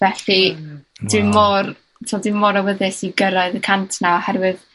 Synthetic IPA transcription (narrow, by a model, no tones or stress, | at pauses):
vɛɬidɪmːor | tʰɔːlˠdɪmːɔɾawəðɪsiɡəɾaɨðəkʰantʰnaɔhɛrvɨð